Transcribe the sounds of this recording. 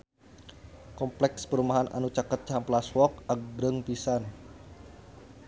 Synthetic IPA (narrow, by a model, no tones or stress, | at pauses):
kɔmplɛkspəɾumaɦanʔa̰nut͡ʃakət̪̚t͡ʃamplaswɔk̚ak̚bɾəŋpisan